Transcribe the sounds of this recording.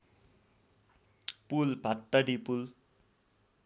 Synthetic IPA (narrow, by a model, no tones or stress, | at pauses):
pulbʱat̪ːʌɖipul